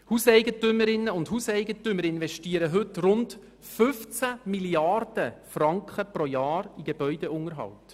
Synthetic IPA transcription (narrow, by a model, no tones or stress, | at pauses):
huːsɛɪɡətʏmːəɾɪnːəʊndhuːsɛɪɡətʏməɾɪnʋɛʃtiːəɾəɦɵtrʊnt | fʏft͡samiliɑɾd̥əfrɑŋkχəpɾojɑːɾiɡ̥eb̥œʏd̥eʊŋəɾɦɑ̰wt